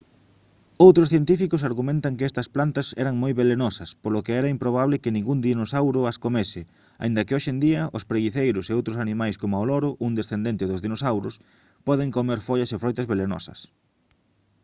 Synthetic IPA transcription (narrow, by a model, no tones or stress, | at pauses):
owt̪ɾʊsθjent̪ifikʊsaɾɣumẽnt̪ɐŋkɪɛst̪ɐsplant̪ɐsɛ̰ɾɐŋmojβelenɔsɐspolʊkɪɛɾɐimpɾoβ̞aβlɪkɪnĩŋɡuŋnd̪inosawɾʊɐskomesɪ | a̰ind̪ɐkɪoʃend̪iɐʔʊ̰spɾeɣiθejɾʊseowt̪ɾʊsanimajskomʊaolɔɾʊʔuŋd̪esθend̪ent̪ɪðʊzðinosawɾʊs | pɔðɪŋkomeɾfoʎɐsefɾɔjt̪ɐzβelenɔ̰sɐ̰s